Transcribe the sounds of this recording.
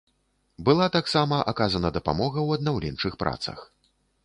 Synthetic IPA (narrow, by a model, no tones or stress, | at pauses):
bɨlˠat̪aksamɐʔakazɐnɐd̪ɐpa̰mɔɣɐwɐd̪nawlʲɛ̰nt͡ʂɨxpɾʔa̰t̪sɐ̰x